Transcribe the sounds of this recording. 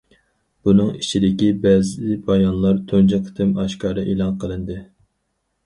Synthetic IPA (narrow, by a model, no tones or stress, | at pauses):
b̥unɨŋit͡ʃʰid̪ɪkʲibɛzɪbɑjɑnlˠɑɾt̪ʰond͡ʒɛqʰt̪ʰɪmɑʃkɑːɾɨʔelˠɑnqʰəlˠɨnd̪ɨ